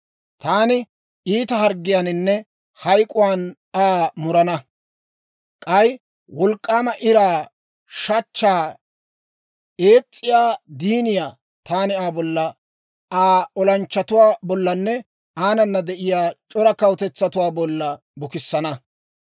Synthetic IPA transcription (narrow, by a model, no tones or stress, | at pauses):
t̪aːnɪ | iːt̪ɐɦɐɾɡːɪjanɪnːɛ | hɐjkʼʊwaːn | aːmʊɾɐnɐ | kʼɐj | wɔlkʼːaːmɐʔɪɾaː | ʃɐt͡ʃːaː | e̞ːt͡sʼːɪjaːd̪iːnɪjaː | t̪aːnɪaːbɔlːɐ | aːɔlɐnt͡ʃːɐt̪ʊwaːbɔlːɐnːɛ | aːnɐnːɐd̪ɛʔɪjaːt͡ʃʼɔɾɐkɐwt̪ɛt͡sːɐt̪ʊwaːbɔlːɐ | bʊkɪsːɐnɐ